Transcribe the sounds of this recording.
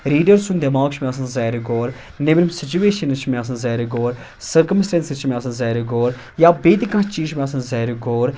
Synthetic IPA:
ɾiːɖəɾsund̪ɐmaːkʃʰmẽɐs̬ɐnzɐɦɾiɡoːɾ | nebɾimsɪt͡ʃueːʃɐnɨt͡ʃʰmẽɐs̬ɐnzɐːɾiɡoːɾ | sɐɾkəmsʈẽːnsit͡ʃʰmeɐsɐnzɐːɾiɡoːɾ | jaːbeːt̪ikãːt͡ʃiːʃmẽɐsɐnzɐːɾiɡoːɾ

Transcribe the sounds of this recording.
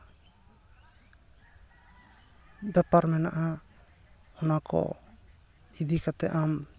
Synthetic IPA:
bɛpaɾmɛnaʔa | ɔnakʰɔ̰ | id̪ikat̪ɛ̰ʔam

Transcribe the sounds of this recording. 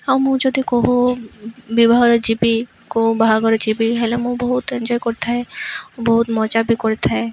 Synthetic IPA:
amũd͡ʒod̪ʱikoɦu | bibʱaɦɔɾed͡ʒibi | koɦubaɦaɡɔɾed͡ʒibiɦɛlemoboɦut̪end͡ʒɔjkɔɾt̪ʰaɦɛbɔɦut̪mɔt͡ʃabikoɾt̪ʰaɦɛ

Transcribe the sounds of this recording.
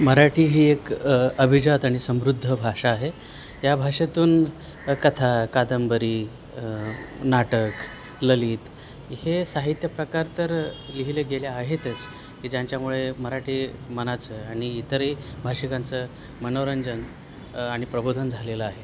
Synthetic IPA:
məɾaʈiːɦiːekəbʱid͡ʑat̪aɽ̃isəmɾud̪ʱːəbʱaʂaːɦe | jabʱaʂat̪uːn | kət̪ʰakad̪əmbəɾiː | naʈək | ləliːt̪ | hesaɦit̪jəpɾəkaɾt̪əɾliɦileɡeljaːɦet̪ət͡s | kiːd͡ʑjaɲt͡ɕjamuɭeməɾaʈʰiːmənat͡səaɽ̃iːt̪əɾebʱaʂikãnt͡sə | mənoɾəɲd͡ʑən | aɽ̃ipɾəbod̪ʱənd͡zʱaleləaɦe

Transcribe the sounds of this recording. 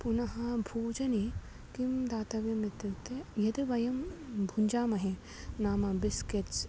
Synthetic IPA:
punɐɦɐbʱoːd͡ʒɐni | kimd̪aːt̪ɐʋɐmit̪ːut̪ejɐd̪iʋɐjɐmbʱuɲʲd͡ʒaːmɐɦe | naːmɐbiskets

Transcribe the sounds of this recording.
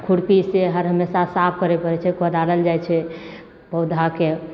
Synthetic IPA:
kʰuɽpiseɦəɾɦəmesasap̚ʰkəɾepəɾɛt͡ʃʰɛkəd̪aɾəld͡ʒajt͡ʃʰɛ | pəwd̪ʱake

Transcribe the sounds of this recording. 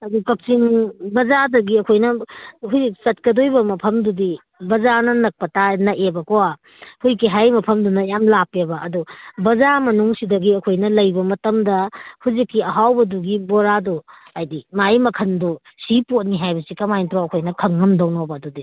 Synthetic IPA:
ɐdukɐp̚t͡ʃiŋbɐzadɐɡiɐkʰojnɐhuzksɐt̚kɐdojbɐmɐpʰɐmdudi | bɐzanɐnɐk̚pɐtanɐʔebɐkowa | hujkiɦajmɐpʰɐmdunɐjamlapebɐʔːdubɐzamɐnuŋsidɐɡiɐkʰojnɐlɐjbɐmɐtɐmdɐhuzikːiɐɦawbɐduɡiboɾado | ajdimajmɐkʰɐndu | sipot̚niɦajbɐsikɐmajntɾoɐkʰojnɐkʰɐŋːɐmdɐwnɔbɐːdudi

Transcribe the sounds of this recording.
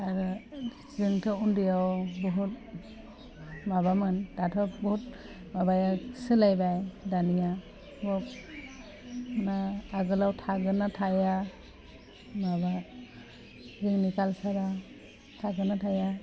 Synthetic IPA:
aɾɯ | zɯŋtʰɯundijawbɔɦut̚ | maβamɯndatʰɔbɔɦut̚ | mabajasɯlajbajdanija | bɔp̚ | naːɡɯlawtʰaɡɯnatʰaja | maba | ɾɯŋnikalsaɾa | tʰaɡɯnatʰaja

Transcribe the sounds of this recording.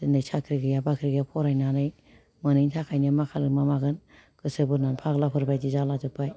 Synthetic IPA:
dɯnɯjsʰakʰɾiɡɯjabakʰɾiɡapʰɔɾajnanɯj | mɯnɯjntʰakʰajnɯmakʰalɯmamaɡɯn | kɯsɯbɯɾnanpʰaklapʰɯɾbajdizalazɯpʰaj

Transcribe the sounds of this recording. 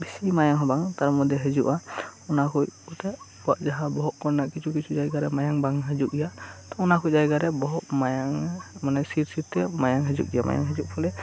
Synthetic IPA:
bisimajaŋɦɔbaŋt̪aɾmɔd̪ɛɦɛd͡ʒuʔaunakʰujɔt̪ɛ | uwaʔd͡ʒaɦabɔɦɔʔkɔɾnaʔkit͡ʃʰukit͡ʃʰud͡ʒajɡaɾɛmajaŋbaŋɦɛd͡ʒuk̚ɡijat̪ɔunakʰujd͡ʒajɡaɾɛbɔɦɔʔmajaŋmanɛsiɾsiɾtɛmajaŋɦɛd͡ʒṵk̚ɡijama̰ja̰ŋɦɛd͡ʒuʔ̚pʰɔlɛ

